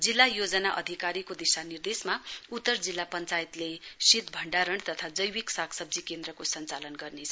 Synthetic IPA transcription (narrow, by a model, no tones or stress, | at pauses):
d͡zilːajod͡zʌnaʔʌ̰d̪ʱikaɾikod̪isanird̪esmaut̪ːʌrd͡zilːapʌnt͡sajt̪lesit̪bʱʌɳɖaɾʌɳt̪ʌt̪ʰad͡zʌjwiksakʰsʌb̚d͡zikend̪ɾʌkosʌnt͡salʌnɡʌrnet͡sʰʌ